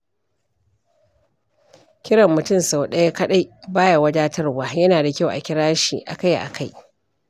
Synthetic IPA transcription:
kʲɪ˦ɽɐ˨mːʊ˨tʊ˦˨msa˨wɗɐ˦ja˦kɐ˦ɗa˦jbaː˦ja˨wɐ˦d͡ʒaː˦tɐ˦rwaː˨jɐ˦naː˨da˨kʲa˦wʔa̰˨kʲɪ˦ɽaː˦ʃiː˨ʔa̰˨ka˦jʔa̰˨kʰa˦j

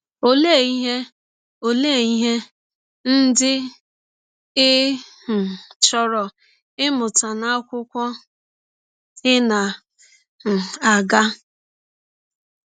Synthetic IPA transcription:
o˦le˦˨i˦ɦe˦ | o˨le˦˨i˦ɦe˦ | n̩˦dɪ˦ | ɪ˦h̩˨t͡ʃɔ˨ɾɔ˨ | ɪ˦mʊ˨ta˨na˦a˦kʷʊ˦kʷɔ˦ | ɪ˦na˨ | a˨ɡa˦

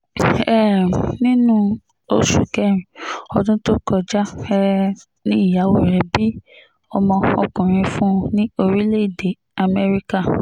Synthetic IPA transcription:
ɛ˦˨nĩ˦nũ˦ | o˧ʃu˨kɛ˦ɾ̃ĩ˨ɔ˧dũ˦to˦kɔ˧d͡ʒa˦ɛ˦ | nĩ˦i˦˨ja˨˦wo˦˨ɾɛ˧bi˦ | ɔ˧mɔ̃˧ɔ̰˧kũ˨ɾ̃ĩ˧fũ˦nĩ˦o˧ɾi˦le˦i˦˨de˨ | a˧mɛ˦ɾi˦ka˦˨

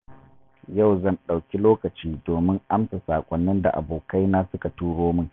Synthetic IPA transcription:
ja˦˨wzɐ˦˨nɗa˨wkʲi˦loː˦kɐ˨t͡ʃiː˦doː˨mɪ˦ŋʔa˦msa˨saː˨kʷʼɔ˦nːɪ˦nda̰˨ʔa̰˨boː˨ka˦jnaː˦sʊ˦ka˨tuː˦ɽoː˦mɪ˦ŋ

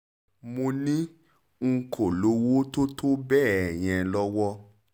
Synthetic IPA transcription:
mo˧nĩ˦ | ŋ̩˧kʰo˨lo˨˦wo˦to˦tʰo˦bɛː˦˨ɛ˨j̃ɛ̃˧lɔ˦wɔ˦

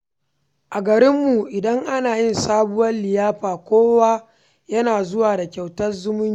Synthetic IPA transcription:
ʔa˨ɡɐ˨ɾɪ˦mːu˨ʔɪ˨dɐ˦ŋʔa˦naː˨jɪ˦nsaː˦bʊ˦wɐ˦nlɪ˨jaː˦ɸaː˨kʷoː˦wa˦ | jɐ˦naː˨zʊ˦waː˨da˨kʲa˨wtɐ˦rzʊ˦mʊ˦˨

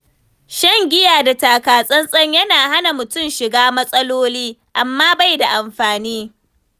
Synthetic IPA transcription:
ʃɐ˦ŋɡʲɪ˦jaː˨da˨taː˨kaː˨sʼɐ˦nsʼɐ˦ɲjɐ˦naː˨ha˦na˨mʊ˨tʊ˦mʃɪ˨ɡaː˦mɐ˦sʼɐ˦loː˦liː˦ʔa˨mːaː˦ba˦˨jda˨ʔa˨mɸaː˨niː˦

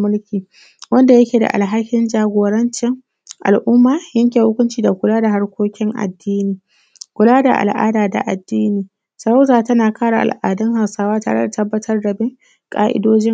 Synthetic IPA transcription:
mʊ˦lkʲiː˨ | wɐ˦nda˨jɐ˦kʲeː˨da̰˨ʔa̰˨lɦa˦kʲːɪ˦nd͡ʒaː˨ɡʷoː˨ɽɐ˦nt͡ʃɪ˦ŋ | ʔa̰˨lʔʊ˦mːaː˨jɐ˦ŋkʲeː˨hʊ˦kʷʊ˦nt͡ʃiː˨da˨kʷʊ˨laː˦da˨ɦa˦ɽkʷoː˦kʲɪ˦ŋʔa̰˨dːiː˦niː˨ | kʷʊ˨laː˦da̰˨ʔa̰˨lʔa̰ː˦daː˨da̰˨ʔa˨dːiː˦niː˨ | sɐ˨ɽa˦wzaː˨tɐ˦naː˨kaː˦ɽa̰˨ʔa̰˨lʔa̰ː˨dɐ˦ŋɦa˨wsaː˦waː˦taː˨ɽe˦da˨tɐ˦bːɐ˦tʰɐ˦rdɐ˨bɪ˦ŋ | kʼaː˦ʔɪ̰˦doː˦d͡ʒɪ˦ŋ

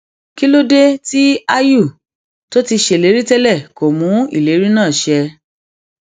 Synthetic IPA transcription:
ki˦lo˦de˦ti˦a˦ju˦˨ | to˦ti˧ʃe˧˨le˨˦ɾi˦tɛ˦lɛ˦˨ko˨mũ˨˦ḭ˦˨le˨˦ɾi˦nã˦˨ʃɛ˧

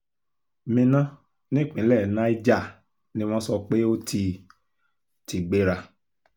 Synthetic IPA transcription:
mĩ˧nã˦ | nĩ˦k͡pĩ˨˦lɛ˦˨nã˦i˦d͡ʒa˦˨ | nĩ˦w̃ɔ̃˦sɔ˧k͡pe˦o˦ti˧ | ti˨ɡ͡be˦ɾa˧

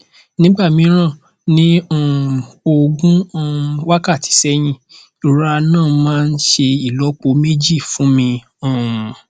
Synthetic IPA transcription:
nĩ˦ɡ͡ba˦˨mĩ˧˦ɾ̃ã˦˨ | nĩ˦ã˦˨o˧ɡũ˦˧wa˦ka˦˨tʰi̥˨˦sɛ˦j̃ĩ˧ | u˨ɾa˧nãː˦˨mãː˦n̩˦ʃe˧i˦˨lɔ˨˦k͡po˧˦me˦d͡ʒi˦˨fũ˨˦mĩ˧ | ɔ̃˦˨m˨

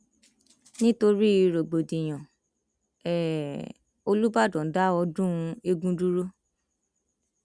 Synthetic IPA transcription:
nĩ˦to˧ɾi˦i˨˧ɾo˨ɡ͡bo˨di˨j̃ã˨ | ɛ˨ | o˧lu˦ba˦˨dɔ̃˨˦da˦ɔ˧dũ˦˧e˧ɡũ˦du˦ɾo˦

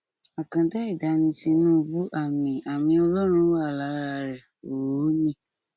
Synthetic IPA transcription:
a˨kã˧da˦i˦˨da˨˦nĩ˧si˧nũ˦˧bu˦ʔa˦˨mĩ˨a˨mĩ˧ɔ˧lɔ˦ɾ̃ũ˧˦a˦˨la˨˦ɾa˧ɾɛ˨ | o˨ɾo˨˦nĩ˧˦

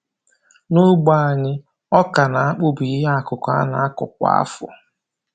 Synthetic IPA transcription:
nʊ˦ɡ͡ba˦˨a˨ɲɪ˦ | ɔ˦ka˨na˨a˦k͡pʊ˦bi˨ɪ˦ɦa˦a˨kʊ˨kʷa˦na˨a˦kʊ̰˨k̚ʷa̰˦a˦fʊ̰˨

